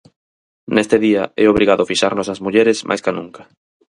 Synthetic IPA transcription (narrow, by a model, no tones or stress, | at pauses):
nest̪eðiaɛoβɾiɣaðʊfiʃaɾnosɐzmuʎeɾesmʔa̰jskanũŋkɐ̥